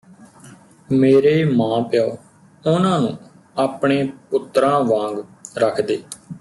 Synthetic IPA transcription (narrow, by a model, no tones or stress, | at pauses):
meːɾeːmãːpɪjaːoː | ʊnãːnũː | aːpɳeːpʊt̪ɾãːʋãːŋɡɾəkʰd̪eː